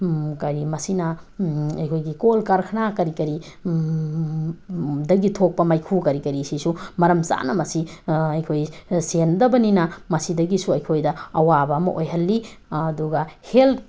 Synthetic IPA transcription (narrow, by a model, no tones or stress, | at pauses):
kɐɾimɐsinɐ | ɐjkʰojɡikolkaɾkʰɐnakɐɾikɐɾi | dɐɡitʰok̚pɐmajkʰukɐɾikɐɾisisumɐɾɐmsa̰nɐmɐsiɐjkʰojsendɐbɐninɐmɐsidɐɡisuɐjkʰojdɐɐwabɐːmɐ̰ʔojɦɐlːiduɡɐhelt